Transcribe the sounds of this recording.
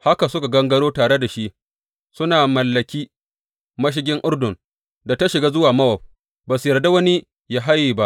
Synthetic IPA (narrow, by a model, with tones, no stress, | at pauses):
ha˦ka˨sʊ˦ka˨ɡɐ˦ŋɡɐ˦ɽoː˦taː˨ɽe˦da˨ʃi˦ʔ | sʊ˦naː˨mɐ˨lːɐ˨kʲiː˦ | mɐ˦ʃ̬ɪ˦ɡʲɪ˦ŋʔʊ˦rdʊ˨n | da˨ta˦ʃɪ˨ɡaː˦zʊ˦waː˨mɐ˦wɐ˨ɸ̚ | baː˨su˨jɐ˨rda˦wɐ˦ni˦ | jaː˦ɦa˦jːiː˨ba˦ʔ